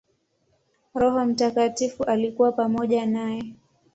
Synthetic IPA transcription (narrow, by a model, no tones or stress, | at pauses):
ɾɔɦɔm̩takatifuʔalikuwapamɔʄanajɛ